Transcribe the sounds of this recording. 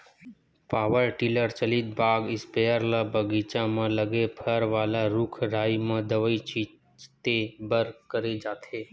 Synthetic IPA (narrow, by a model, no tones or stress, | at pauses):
paːʋəɾʈiːləɾt͡ʃəlɪt̪̚baːɡɪspɛːəɾlabəɡiːt͡ʃãmə̃ləɡepʰəɾʋaːlaɾʊkʰɾaːimɐ̃d̪əʋəit͡ʃiː | t̪ebəɾkəɾed͡ʒaːt̪eː